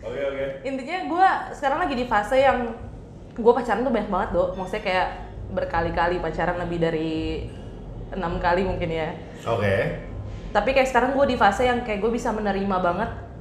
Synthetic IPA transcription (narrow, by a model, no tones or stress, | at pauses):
okekeint̪iɲaɡuasə̥kaɾaŋlaɡidifasajaŋ | ɡuapat͡ʃaɾant̪ubaɲak̚baŋət̪̚domaŋsajakajaʔ | bərkalikalipat͡ʃaɾanləbɪhdaɾi | ənamkalimuŋkɪnja | oke | t̪apikajaʔsə̥kaɾaŋɡuadifasajaŋkajak̚ɡuabisamənəɾimabaŋət̪̚